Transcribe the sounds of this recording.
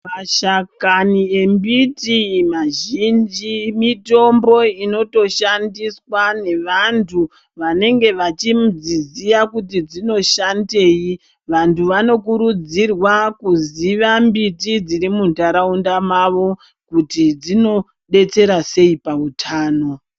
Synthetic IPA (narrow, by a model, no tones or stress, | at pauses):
maʃakanie̞mbitimaʒind͡ʒimito̞mbo̞ino̞to̞ʃandiswane̞ʋantʰu | ʋane̞ŋɡe̞ʋat͡ʃimud͡zizijakutid͡zino̞ʃande̞ːji | ʋantʰuʋano̞kuɾud͡zirwakuziʋambitid͡ziɾimuntaɾaundamaʋo̞ | kutid͡zino̞ | ɗe̞t͡se̞ɾase̞ipautʰaːno̞